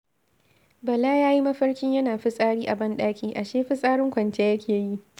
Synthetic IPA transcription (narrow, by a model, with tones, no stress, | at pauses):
bɐ˨laː˦jaː˦ji˦mɐ˦ɸɐ˦rkʲɪ˦ɲjɐ˦naː˨ɸɪ˦sʼaː˦ɽiː˦ʔa˨bɐ˦nɗaː˦kʲiː˨ʔa˨ʃeː˦ɸɪ˦sʼaː˦ɽɪ˦ŋkʷɐ˨nt͡ʃe˦jɐ˦kʲʰeː˨ji˦ʔ